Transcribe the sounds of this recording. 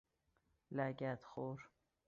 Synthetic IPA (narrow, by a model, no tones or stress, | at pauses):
læɡæt̪xoɾ